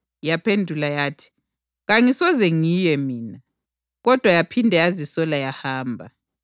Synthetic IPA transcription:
japʰendʱulajaːtʰi̥ | ɣaŋisɔzɛŋijɛmiːna | ɣɔd̥ʱwajapʰindʱɛazisɔlajahaːmbʱa

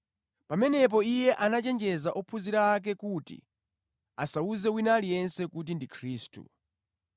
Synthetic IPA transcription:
pamɛnɛp̬ɔijɛʔanat͡ʃɛnd͡ʒɛzaʔɔpʰuziɾak̬ɛkutḭ | asauzɛwinalijɛnsɛkut̬indikʰɾiːstṵ

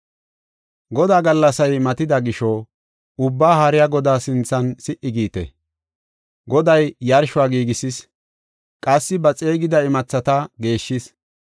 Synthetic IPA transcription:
ɡɔd̪aːɡɐlːɐsɐjmɐt̪ɪd̪ɐɡɪʃɔ | ʊbːaːhɐɾɪjaɡɔd̪aːsɪnt͡sːɐnsɪʔɪɡiːt̪ɛ̰ | ɡɔd̪ɐjjɐɾʃʊaːɡiːɡɪsɪs | kʼɐsːɪbɐt͡sʼe̞ːɡɪd̪ɐɪmɐt͡sːɐt̪ɐɡe̞ːʃːɪs

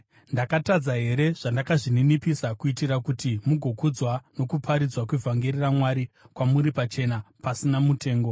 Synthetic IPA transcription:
ndakatad͡zaɦe̞ɾe̞ʐ̥andakaʐininipisakuitiɾakutimuɡʱo̞kud͡zwano̞kupʰaɾid͡zwak̬wevʱaŋɡeriramwaɾikwamuɾipat͡ʃe̞napasinamute̞ːŋɡo̞

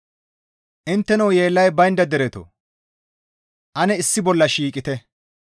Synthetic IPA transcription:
ʔɪnt̪ːɛnɐwje̞ːlːɐjbɐjnd̪ɐd̪ɛɾɛt̪ɔ̰ | ʔɐnɛɪsːɪbɔlːɐʃiːkʼɪt̪ɛ

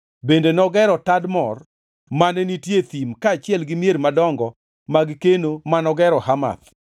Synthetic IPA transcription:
bendenɔɡɛɾɔtadmɔr | manɛnitjet̪imkaːt͡ʃɪɛlɡɪmjeɾmadɔŋɡɔ | maɡkenomanɔɡɛɾɔhama̰t̪

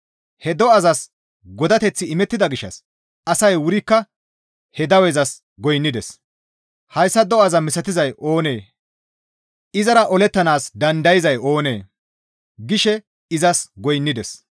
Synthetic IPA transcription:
hɛd̪ɔɐzɐs | ɡɔd̪ɐt̪ɛt͡sːɪɪmɛt̪ːɪd̪ɐɡɪʃːɐ̰s | ʔɐsɐjwʊɾɪkːɐ | hɛd̪ɐwɛzɐs | ɡɔjnːɪd̪ɛs | hɐjsːɐd̪ɔɐzɐmɪsɐt̪ɪzɐjʔo̞ːne̞ː | ɪzɐɾɐʔɔlɛt̪ːɐnaːsd̪ɐnd̪ɐjɪzɐjo̞ːneː | ɡɪʃɛ | ɪzɐsɡɔjnːɪd̪ɛs

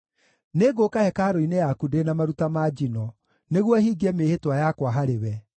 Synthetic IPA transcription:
neɡokahɛkaɾoinejakudenamaɾutamad͡ʒinɔ | neɣwɔhiːɡɛmehetwajakwaɦaɾewɛ

